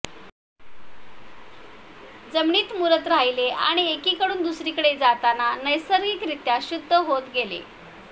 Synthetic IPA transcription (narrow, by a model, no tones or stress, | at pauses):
d͡zəmɳiːt̪muɾət̪ɾaɦilea̰ɽ̃iekiːkəɽuːnd̪usɾiːkəɽed͡zat̪ananəjsəɾɡiːkɾit̪jaɕud̪ʱːəɦot̪ɡelḛ